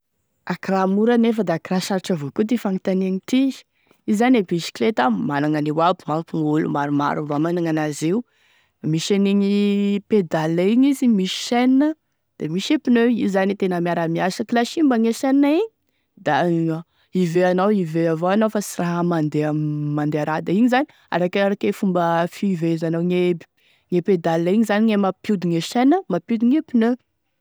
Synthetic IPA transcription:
akiramuɾanefəd̪aakiraʃaɾiʈ͡ʂavokut̪ifanit̪aniaɲit̪i̥ | izanebiʃi̥klet̪amanaŋaniwabimapiulṵmaɾuma̰ɾuvamanaŋanazeu | miʃeniɲiped̪alaiɲizimiʃi̥ʃɛnnə | d̪̥emiʃepinøizanit̪enəmiaɾamiasakilaʃimbəŋeʃɛnaiɲi | d̪a | iveanawiveavoanowfasiraɦəmand̪eamand̪eaɾad̪aiɲizani | a̰ɾakaɾakefumbəfivezanawɲebi̥ | ŋeped̪alːaiɲizaniɲemapjud̪iŋeʃɛnəmapjud̪iɲepinø

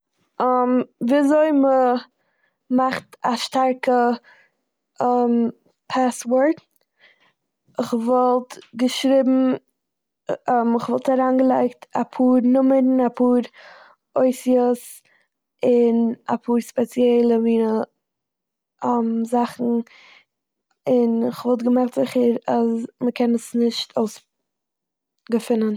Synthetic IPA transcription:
amviːzoɪmə | maχtaʃtaɾkə | ɛm | pʰasvɔɾt | ɪχvɔlˠtɡəʃɾibm̩ | ɛmɪχvɔlˠtaɾaːnɡəlˠaɪktapʰuːɾnʊməɾn̩apʰuːɾ | oɪsjəs | ɪna̰pʰuːɾspɛt͡sjɛlˠəmiːnə | mzaχn̩ | ɪnɪχvɔlˠtɡəmaχtz̥ɪχəɾazməkʰɛnəsnɪʃtʰoʊs | ɡəfɪnən

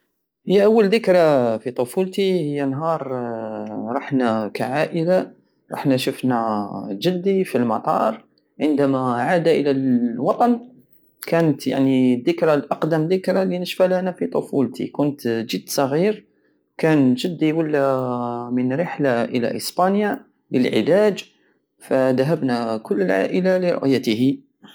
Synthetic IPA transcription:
həjːæʔæwːəld̪əkɾɑfit̪ˤofult̪ihəjːænɦɑɾˤ | ɾˤɑħnækæ̰ʕaʔəla | ɾˤɑ̰ħnæʃəfnæʒəd̪ːifilmɑt̪ˤɑ̰ɾˤ | ʕənd̪æmæʕad̪aʔəlælwɑt̪ˤɑn | kænət̪ja̰ʕniðːəkɾɑlʔɑqd̪əmðəkɾˤɑlinəʃfælænæfit̪ˤofult̪ʰḭkʊnt̪ʒəd̪sˤɑɣiɾ | kænʒəd̪ːiwəlːæmənɾəħlaʔəlæ̰ʔəsbɑnja | ləlʕɪ̰læd͡ʒ | fæd̪æɦəbnækʊlːəlʕa̰ʔəlaliɾʊ̰ʔjæt̪əhi

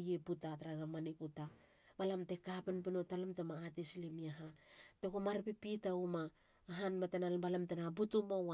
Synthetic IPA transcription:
jeputataɾaɡamaniputa | balamtekapenpinotalamtemaːtisilimiaɦatekumaɾpepitaumaː | ɦanmatenalbalamtenabutumowa

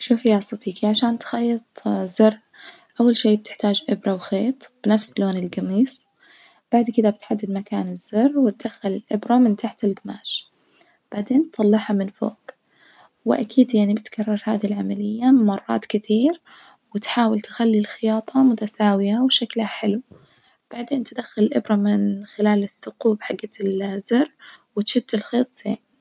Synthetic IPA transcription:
ʃuːfjaːsˤɑd̪iːkiʕaʃaːnt̪xɑjːɨt̪ˤzɑrː | ʔawːalʃiːb̚t̪ɪ̥ħt̪aːd͡ʒʔɪbɾˤɑwxeːt̪ˤb̥ɪnafsloːnɪlɡamiːs | b̥aʕd̪kɪd̪abɪt̪ħad̪ːɪd̪makaːnɪz̥ːɑrːwɪt̪̚d̪axːalɪlʔɪbɾɑmɪnt̪aħt̪ɪlɡɪma̰ːʃ | b̥aʕd̪eːnt̪ːˤɑlːɑħhɑmɪnfo̰ːk | wɪ̰ʔakʰiːd̪jaʕnibɪt̪kʰɑrˤːɑɾˤha̰ːðilʕamalɪjːamɑrˤːɑ̰ːt̪kɪt̪iːɾ | wɪt̪ħaːwɪlt̪ɪxalːilxɪjɑːt̪ˤʰɑmʊt̪asaːwɪawʃaklhaħɪlu | b̥aʕd̪eːnt̪ɪd̪axːalɪlʔɪbɾˤɑmɪnxɪlaːlɪθːʊquːbħaɡːalzɪrˤːwɪt̪ʃʊt̪ːɪlxeːt̪ˤz̥ḛːʕ

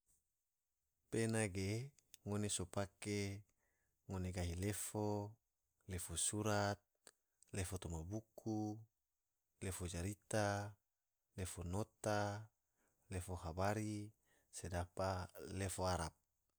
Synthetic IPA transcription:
penaɡe | ŋonesopake | ŋoneɡaɦilefo | lefosuɾat̪̚ | lefot̪omabuku | lefod͡ʒaɾit̪a | lefonot̪a | lefoɦabaɾi | sedapalefoaɾap̚

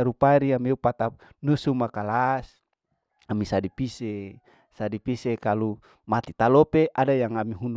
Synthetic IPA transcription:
aɾupaɾiameupat̪anusumakalas | amisadipise | sadipisekalu | mat̪i̥t̪alopeʔadajaŋamiɦun

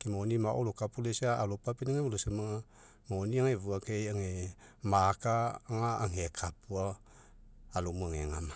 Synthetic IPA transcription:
kimaonimaʔo̰lokapulesaalopapeniŋewulosemaŋa | maoniaŋevuakeaŋemakaŋaːŋekʰapuaː | lomuaŋeŋama

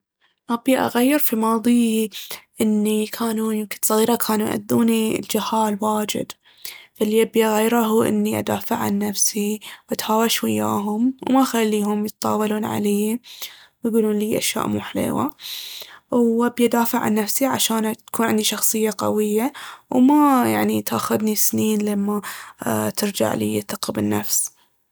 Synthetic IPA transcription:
ʔabiʔa̰ɣajːɪɾˤfimɑːðˤi | ʔɪnːikʰaːnujɪmkɪ̥nsˤɑɣiːɾˤɑkʰaːnujʔa̰d̪ːuːnild͡ʒɪhaːlwaːd͡ʒɪ̰d̪ | falːiʔabiʔaɣajːɾɑɦuːʔɪ̰nːiʔa̰d̪aːfɪʕʕa̰nːafsiwʔat̪haːwaʃwajːa̰ːɦʊmwmaxalːiːɦʊmjət̪t̪ˤɑ̰ːwɑluːnʕa̰leː | wjɡuːluːnliːʔaʃja̰ːʔmuːħlḛːwa̰ | wbjʔd̪aːfɪʕa̰nːafsiʕa̰ʃaːnt̪kuːnʕɪnd̪iʃɑxsˤɨjːaqɑ̰wɪjːawmajaʕnit̪ʔaxʊd̪nisniːnlamːa | t̪ɪɾd͡ʒa̰ʕlḭːjɪt̪ːaqːɪbɪnːa̰fs

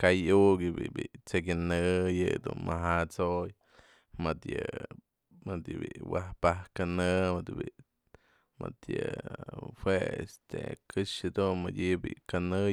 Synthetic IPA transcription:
kajuʔɡibibit͡sekʲinɨjɨd̪ṵnmʔaɦat͡soj | mɨt̪jɨ | mɨd̪ibḭwahpahkanɨmɨd̪bi | mʔɨt̪jɨ | hweḛst̪ekɨʂɨd̪unmadʲibikanɨ

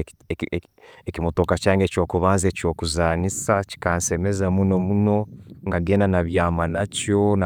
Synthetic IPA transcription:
ekimotokacaːŋɡe̞co̞ːkuβaːnzeco̞ːkuzaːnisaci̥kaːnse̞me̞zamuno̞muno̞ŋɡaɡe̞ːndanaβjaːmanacjo̞n

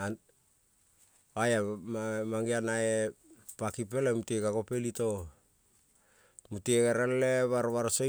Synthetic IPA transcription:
an | ajamamaŋianaepakip̬elemutekako̞pelito̞ | mutekaɾalleβaɾβaɾso

